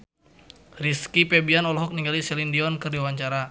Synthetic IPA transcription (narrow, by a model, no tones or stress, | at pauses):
riskipɛbianɔlɔɦɔk̚niŋɡalisɛlindiɔnkɨrdiwaɲt͡ʃaɾa